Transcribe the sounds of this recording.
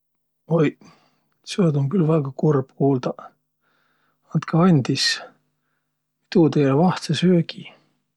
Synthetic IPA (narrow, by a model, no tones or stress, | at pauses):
oj | seod̪oŋkylvæɡ̥ɑkurb̥kuːld̪ɑ | ɑnt̪kʰɑɑnʲd̪is | it̪ut̪elevɑht̪sesøːɡi